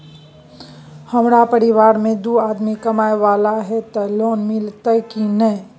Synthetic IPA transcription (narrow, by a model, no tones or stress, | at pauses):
hɐmɾapəɾɪʋaːɾmẽd̪uaːd̪mikɐmaːjʋaːlaɦɛt̪ɐloːnmɪlt̪əkinə